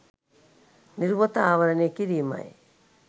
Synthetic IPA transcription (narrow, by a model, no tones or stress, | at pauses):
niɾuβot̪aaβaɾanekiɾima̰j